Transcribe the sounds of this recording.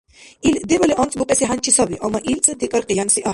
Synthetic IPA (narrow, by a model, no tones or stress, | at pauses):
ild̪ɛbɔliʔɔnt͡sʼbuqʼɛsiɦant͡ʃʰisɔbiʔɔmaʔilt͡sʼəd̪ikʼɔɾqʼijansiʔa